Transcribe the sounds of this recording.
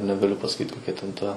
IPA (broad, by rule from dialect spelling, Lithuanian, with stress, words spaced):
nʲɛɡɐˈlʲʊ pɐsɐˈkʲiːt koːˈkʲɛ tʲɛn ˈtɐ